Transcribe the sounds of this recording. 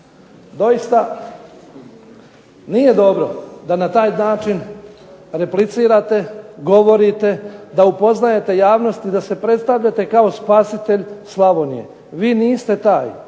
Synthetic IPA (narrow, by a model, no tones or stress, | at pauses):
d̪o̞jist̪a | nije̞d̪o̞bɾo̞d̪anat̪aːjnaːt͡ʃin | ɾe̞plit̪siːɾat̪e̞ɡo̞ʋo̞ɾit̪e̞d̪aupo̞znaje̞t̪e̞jaːʋno̞st̪id̪ase̞pɾe̞t̪st̪aʋʎat̪e̞kao̞spaːsit̪e̞ʎslˠaʋo̞nije̞̰ | ʋiːniːst̪e̞t̪aːj